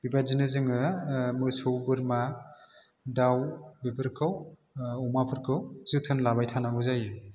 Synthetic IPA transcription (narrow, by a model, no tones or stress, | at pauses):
b̥ibazinɯzɯŋɯmɯsowbɯɾma | dawbibɯɾkʰɯw | ɔmapʰɯɾkʰɯwz̥ɯtʰɯnlabajtʰanamuzajɯ